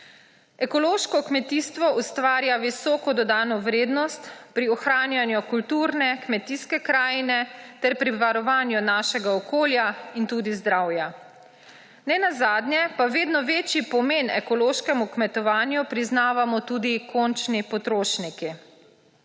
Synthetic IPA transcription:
ɛkɔloːʃkɔkmɛt̪ist̪ʋɔʔust̪ʋaːɾjaʋisɔːkɔd̪ɔd̪aːnɔʋɾeːd̪nɔst̪pɾiɔxɾaːnjanjɔkult̪uɾnɛkmɛt̪iskɛkɾaːjnɛt̪ɛɾpɾiʋaɾɔʋaːnjunaʃɛɡaɔkoːljaint̪uːd̪izd̪ɾaːwja | nɛnazaːd̪nʲjɛpaʋeːd̪nɔʋeːt͡ʃipɔmeːnɛ̰kɔloːʃkɛmukmɛt̪ɔʋaːnjupɾiznaːʋamɔt̪uːd̪ikʰont͡ʃnipɔt̪ɾoːʃniki

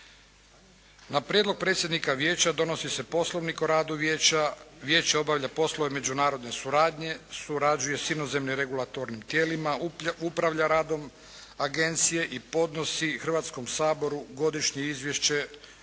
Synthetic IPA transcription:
napɾjed̪lo̞ɡ̚pɾet̪sje̞d̪nikaʋje̞ːt͡ɕad̪o̞no̞sise̞po̞slˠo̞ʋniko̞ɾaːd̪uʋeaʋje̞ːt͡ɕeo̞baʋʎapo̞slo̞ʋe̞me̞d͡ʑunaːɾo̞d̪ne̞suɾaːd̪ɲe̞suɾad͡ʑuje̞sino̞ze̞mniɾe̞ɡulˠat̪o̞ɾnimt̪je̞ːlimaupɾaʋʎaɾaːd̪o̞m | aɡe̞nt̪sije̞ʔipo̞d̪no̞sixr̩ʋaːt̪sko̞msaːbo̞ɾuɡo̞d̪iʃɲe̞izʋje̞ʃt͡ɕe

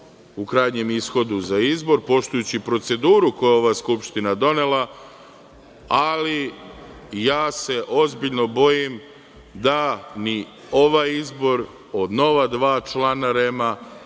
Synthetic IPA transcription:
ukɾajɲe̞misxo̞d̪uzaizbo̞ɾpo̞ʃt̪ujut͡ɕipɾo̞t̪se̞d̪uːɾuko̞jeo̞ʋaskupʃt̪inad̪o̞ne̞lˠa | ali | jaːse̞ʔo̞zbiʎno̞bo̞jim | d̪ani | o̞ʋajizbo̞ɾ | o̞d̪no̞ʋad̪ʋaːt͡ʃlanaɾema

